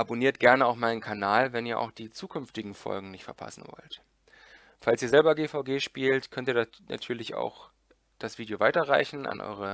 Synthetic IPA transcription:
ʔaboniːɐt̚ɡ̥ɛɐnəaʊxmaɪnənkʰanaːlvɛniːɐʔa̰ʊxd̥iːt͡suːkʰʏnftɪɡŋ̩fɔ̰lɡŋ̩nɪçtfɛɐpʰa̰sn̩vɔ̰lt | falsiːɐzɛlbɐɡeːfaʊɡeːʃpiːltkʰœntiːɐna̰tʰyːɐlɪça̰ʊx | d̥asv̥iːdjovaɪtɐʁa̰ɪçn̩ʔa̰nʔɔ̰ʏʁ̞ə

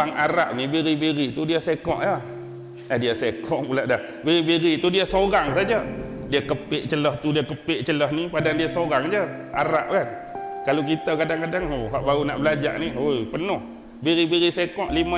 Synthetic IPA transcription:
aŋaɾaʔnibiɾibiɾit̪udiəsekɔʔa | adiəsekʰɔʔpulaʔdah | biɾibiɾit̪udiəsoɾaŋsad͡ʒədiəkəpɪʔt͡ʃəlɔht̪udiəkəpɪʔt͡ʃəlɔhnipadaŋdiasoɾaŋd͡ʒə | a̰ɾa̰ʔkan | kalok̬it̪əkadaŋkadaŋoɦaʔbauna̰ʔbəlad͡ʒa̰ʔniojpənʊh | biɾibiɾisekɔʔlima

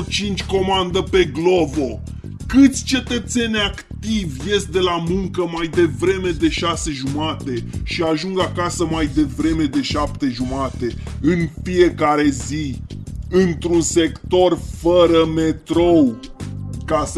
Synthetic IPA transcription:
t͡ʃint͡ʃʲko̞mand̪əpe̞ɡlovo̞ | kɨt̪sʲt͡ʃe̞t̪ət̪se̞nʲakt̪ivʲje̞st̪̚d̪e̞lamuŋkəmajd̪e̞vɾe̞me̞d̪e̞ʃase̞ʒumat̪e̞ʃiaʒuŋɡakasəmajd̪e̞vɾe̞me̞d̪e̞ʃap̚t̪e̞ʒumat̪e̞ | ɨnfie̞kaɾe̞zi | ɨnt̪ɾunse̞kt̪o̞rfəɾəme̞t̪ɾow | kas

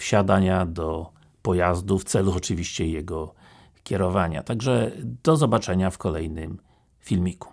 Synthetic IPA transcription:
fɕad̪aɲad̪ɔ | pɔjazd̪uft̪sɛluɔt͡ʂɘvʲiɕt͡ɕɛjɛɡɔ | kʲɛɾɔvaɲa̰t̪aɡʐɛd̪̥ɔzɔbat͡ʂɛɲafkɔlɛjnɘm | fʲilmʲiku̥

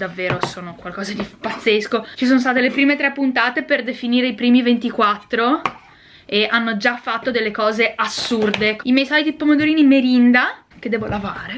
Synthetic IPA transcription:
d̪avːeːɾosoːnokwalkɔːzad̪ipat̪sːeskot͡ʃisoːnost̪aːt̪elepɾiːmet̪ɾɛpːunt̪aːt̪eperd̪efiniːɾeipɾiːmivent̪ikwat̪ːɾo | eanːod͡ʒafːat̪ːod̪elːekɔːzeʔasːurd̪eimjɛjsɔlit̪ipomod̪oɾiːnimeɾind̪a | k̟ed̪ːɛːvolavaːɾe

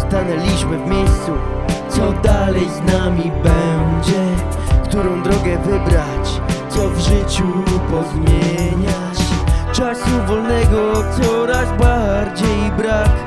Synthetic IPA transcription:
st̪anɛlʲiɕmɘvmʲjejst̪su | t̪sɔd̪alɛjznamʲibɛnd͡ʑɛ | kt̪uɾɔ̃w̃d̪ɾɔɡɛvɘbɾat͡ɕ | t̪sɔvʐɘt͡ɕupɔzmʲjeɲa | t͡ɕt͡ʂasuvɔlnɛɡɔt̪sɔɾazbaɾd͡ʑejbɾak

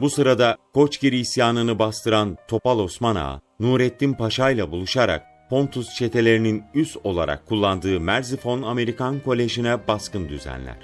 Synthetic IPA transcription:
busɯɾad̪akʰo̞t͡ʃciɾiisjaːnɯnɯbast̪ʰɯɾant̪ʰo̞palˠo̞smana̰ | nuːɾɛt̪ːinpaʃajlˠabulˠuʃaɾa̰k̚ | pʰo̞nt̪ʰust͡ʃʰe̞t̪ʰe̞lʲe̞ɾininyso̞lˠa̰ɾa̰kʰːulˠːand̪ɯːmæɾzifo̞name̞ɾikankʰo̞lʲːe̞ʒinɛbaskɯnd̪yzæ̰nlʲæ̰ɾ̝̥

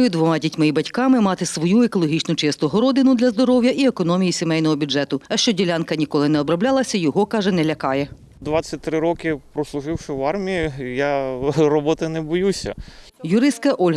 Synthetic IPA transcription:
jʊd̪ʋɔmɑdʲitʲmɪibɐtʲkɑmɪmɑt̪ɪsʋɔjuekɔlˠɔɦʲit͡ʃnʊt͡ʃɪst̪ʊɦɔɾɔd̪ɪnʊd̪lʲɐzd̪ɔɾɔwjɐʔiekɔnɔmʲijisʲemɛjnɔɦɔbʲʊdɛt̪ʊɐʃt͡ʃɔdʲilʲɑnkɐnʲikɔlˠɪnɛɔbɾɐblʲɑlˠɐsʲɐjɔɦɔkɑʒɛnɛlʲɐkɑjɛ | d̪ʋɑt͡sʲːɐt̚ʲt̪ɾɪɾɔkɪpɾɔslˠʊʒɪwʃɪʋɑrmʲiijarɔbɔt̪ɪnɛbɔjusʲɐ̰ | jʊɾɪst̪̚kɐʔɔlʲɦ

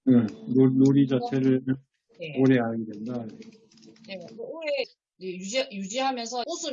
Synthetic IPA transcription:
ɯnonoɾid͡ʑat͡ɕʰe̞ɾɯɭ | jeoɾeaɭɡidwendaje | neɡeoɾe | jejud͡ʑijud͡ʑiɦamjʌnsʰʌosʰɯ

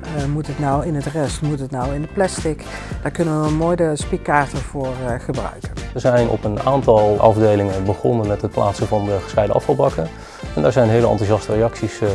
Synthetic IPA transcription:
mutətnɔwɪnətrɛstmutətnɔwɪndəplɛstɪk | d̥aːɹkɵnəʋəʋəmoːjdəspikːaːɹtəv̥ʊːrχəbrœ̰ɥkənʋəɹzɛjnɔ̰pənaːntɑlˠʔɑ̰vdejlɪŋəbəχɔ̰nənmɛtɦət̚plʔa̰ːtsəvɑndəχə̥sχɛjdəʔɑ̰fɑlˠbɑkə | ɛndaːɹzɛjnɦejləɑ̰ntuʒɑstərejɑksis

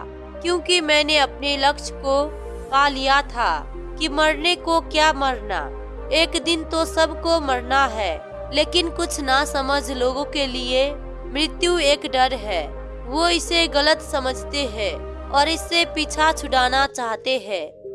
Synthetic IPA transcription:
kjõːkimɛ̃ːneɐpnelɐkʃko | paːlijat̪ʰaː | kimɐɾnekokjaːmɐɾna̰ | eːkd̪ɪnt̪osɐbʱkomɐɾnaɦɛː | leːkɪnkʊt͡ʃʰnasɐməd͡ʒʱloːɡõkelie | mɾɪt̪jueːkɖɐɾɦɛː | ʋoɪseɣɐlət̪sɐməd͡ʒʱt̪eɦɛ̃ː | ɔːɾɪsːepiːt͡ʃʰat͡ʃʰʊɽaːnat͡ʃaːɦt̪eɦɛ̃ː

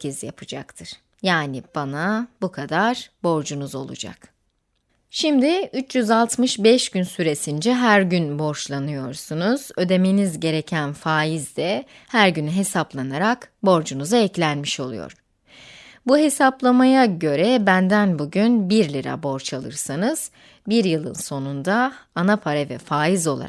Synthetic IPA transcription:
izjapʰɯd͡ʒa̰kt̪ʰɯɾ̥ | jaːnib̥anabukʰad̪aɾ̥bo̞ɾd͡ʒunuzo̞̰lˠṵd͡ʒa̰k | ʃimd̪ɪyt͡ʃjyzalˠt̪mɯʃbɛʃɟynsyɾe̞sind͡ʒɛɦæɾɟynbo̞ɾʃlˠanɯjo̞ɾsunuz̥ø̞d̪e̞menizɟe̞ɾe̞cʰænfaːjizd̪ɛ | hæɾɟynyɦe̞saplˠanaɾakbo̞ɾd͡ʒunuzaɛclʲænmiʃo̞lˠujo̰ɾ̝̥ | buɦe̞saplˠamajaɟø̞ɾɛbænd̪ænbuɟynbiɾlʲiɾa̰bo̞ɾt͡ʃʰalˠɯ̰ɾsanɯz̥ | biɾjɯlˠɯ̰nso̞nund̪aːnapʰaɾɛvɛ̰faːjizo̞lˠa̰ɾa

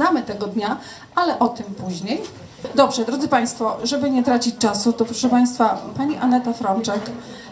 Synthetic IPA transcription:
namɘt̪ɛɡɔd̪ɲa | alɛʔɔt̪ɘmpuʑɲej | d̪ɔbʐɛd̪ɾɔd̪zɘpaj̃st̪fɔʐɛbɘɲɛt̪ɾat͡ɕit͡ɕʲt͡ʂasut̪ɔpɾɔʂɛpaj̃st̪fapaɲiʔanɛt̪afɾɔnt͡ʂɛk

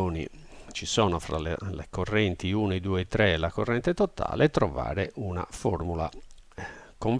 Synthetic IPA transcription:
oːnḭ | t͡ʃisɔːnɔfɾa̰lelekɔrːɛnt̪iunɛd̪uːɛɛt̪ːɾɛːlːakɔrːɛnt̪ɛt̪ɔt̪a̰ːleɛt̪ːɾɔva̰ːɾeʔuna̰fɔɾmula | koɱ

